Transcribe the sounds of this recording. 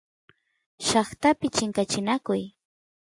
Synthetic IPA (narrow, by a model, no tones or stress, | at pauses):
ʃɑχt̪apɪt͡ʃɪŋkat͡ʃɪnakʊj